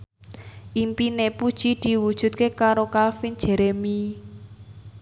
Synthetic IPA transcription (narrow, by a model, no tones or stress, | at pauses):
ʔimpinepud̥ʒ̥i̤d̪̥i̤wud̥ʒ̥ṳt̪̚kekaɾokalfin̥ʒ̥ɛ̤ɾɛmi